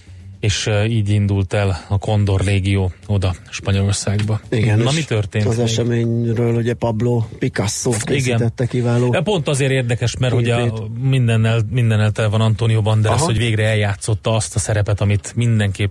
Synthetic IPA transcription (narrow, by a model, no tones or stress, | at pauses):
eːʃiːɟind̪ult̪ɛlɒkʰo̞nd̪o̞rːeːɡijoːo̞d̪ɒʃpɒɲo̞lo̞rsaːɡbɒiɡɛnɒmit̪ørt̪eːnzɛʃɛmeːɲɾøːluɟɛpɒbloːpikɒsːoːiɡɛnt̪ɛt̪ːɛkivaːloːpo̞nt̪ɒzeːɾeːrd̪ɛkɛʃmɛrho̞ɟɒmind̪ɛnːɛlmind̪ɛnːɛlt̪ɛlɛvɒnɒnt̪oːnijoːbɒnd̪ɛɒsho̞ɟveːɡrɛɛljaːt̪so̞t̪ːɒɒst̪ɒsɛɾɛpɛt̪ɒmit̪mind̪ɛŋkeːp